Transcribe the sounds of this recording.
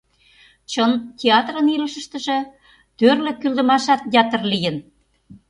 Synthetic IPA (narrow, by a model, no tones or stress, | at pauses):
t͡ɕənt̪ʲeɑt̪rə̆nilə̆ʃə̆ʃt̪ə̆ʒĕ | t̪ørlĕkyld̪ə̆mɑʃɑt̪jɑt̪ə̆rlijə̆n